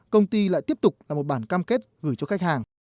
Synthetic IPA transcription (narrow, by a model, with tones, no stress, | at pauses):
kə˧wŋ͡mt̪i˧la̰ː˧˨t̪i˦˥əp̚t̪ʊ˨˩k͡p̚laː˨˩mo˨˩t̚ɓaː˧˩nkaː˧mke˦˥t̚ɣɨ˧˩jt͡ɕɔ˧xa˦˥k̚haː˨˩ŋ